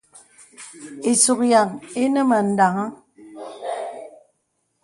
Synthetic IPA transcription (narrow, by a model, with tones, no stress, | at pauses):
e˨su˨k̚ja˨ŋe˦nə˦mə˨n̩˨da˨ŋa˦